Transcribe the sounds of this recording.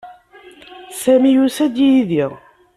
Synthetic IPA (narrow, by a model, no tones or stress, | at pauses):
sæmijusæd̪jiðiʁ